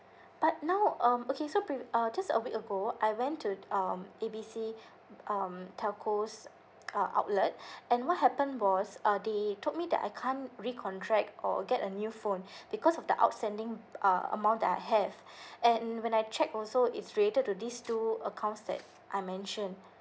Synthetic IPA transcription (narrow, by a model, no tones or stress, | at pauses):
b̥at̚naʊʌ̃mokʰesopɹiʌd͡ʒasə̰wikəɡoajwɛ̃ntʰːuʌmebisi | ʔʌmtʰɛlkʰos | ʌʔa̰ʊt̚lət̚ɛ̃nwɔt̚hɛpə̃nwɔsʌdetʰot̚midɛ̰ta̰ɪkʰãnɹikʰɔ̃ntʰɹɛk̚tɔ̰ɡɛtənjufõnb̥ikʰɔsɔfdə̰ʔa̰ʊtstɛ̃ndɪ̃ŋʔʌ̰ə̰mãʊ̃n̚dɛtajɦɛvɛ̃nwɛ̃najt͡ʃɛk̚ɔlsoɪtsɹiletəd̚tudistuəkʰãʊ̃ntsdɛ̰t̚ | ʔajmɛ̃nʃə̃n